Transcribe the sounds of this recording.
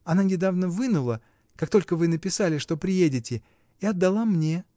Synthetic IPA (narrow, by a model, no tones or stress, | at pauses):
ɐnanʲɪd̪avnəvɨnʊlˠə | kakt̪o̞lʲkəvɨnəpʲɪsalʲɪʂt̪o̞pɾʲɪjedʲɪtʲɪ | ɪɐd̪ːɐlˠamnʲe̞